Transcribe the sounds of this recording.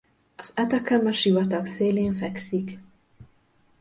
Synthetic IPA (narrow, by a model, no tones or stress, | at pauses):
ɒz̥ɛt̪ɛkɛmɛʃivɒt̪ɒkseːleːɱfɛksik